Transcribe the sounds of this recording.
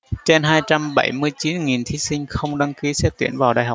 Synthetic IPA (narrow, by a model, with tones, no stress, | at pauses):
t͡ɕe˧nɦaː˧jt͡ɕa˧mɓə˧˩jmɨ˧əjt͡ɕi˨˦nŋi˨˩nt̪ʰi˨˦sï˧ŋ̟xə˧wŋ͡mɗa˧ŋki˨˦sɛ˦˥p̚t̪i˧˩ənvaː˨˩wɗaː˨jɦa˨˩k͡p̚